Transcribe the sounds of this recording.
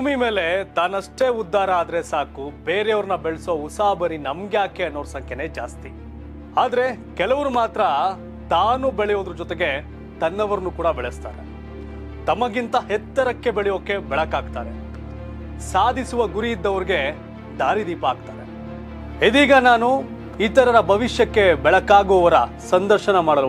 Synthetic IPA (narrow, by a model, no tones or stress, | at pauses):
bʱuːmime̞ːle̞t̪aːnɐʂʈe̞ːud̪ːaːɾɐːd̪ɐɾesaːkubeːɾejɐʋɐɾnɐbeɭsousaːbɐɾinɐmɡjaːkeɐnːoːɽsɐŋkeneːd͡ʒa̰ːst̪i | aːd̪ɐɾe̞kɛlɐʋɐɾumaːt̪ɾɐ | t̪aːnubɛɭɛjo̞ːd̪ɾud͡ʒɔt̪eɡe̞ | t̪ɐnːɐʋɐɾɐnukuːɽɐbɛɭest̪a̰ːɾḛ | t̪ɐmɐɡint̪ɐɦɛt̪ːɐɾɐkːe̞bɛɭɛjoːkːe̞bɛɭɐkaːɡt̪aːɾe̞̰ | saːd̪ʱisuʋɐɡuɾiːd̪ːɐʋɐɾiɡe̞ | d̪aːɾid̪iːpɐːɡt̪aːɾe̞̰ | ed̪iːɡɐnaːnu | iːt̪ɐɾɐɾɐbʱɐʋiʃjɐkːe̞bɛɭɐkːaːɡuʋɐɾɐ | sɐnd̪ɐɾʃɐnɐmaːɽɐl